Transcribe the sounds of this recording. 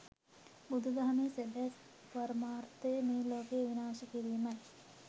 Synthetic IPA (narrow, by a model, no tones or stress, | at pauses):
bud̪ʱud̪ɐɦɐmeːsebɛs | pɐɾmaːɾt̪əjəmeːloːkejʋinaːʃɐkiɾijmɐj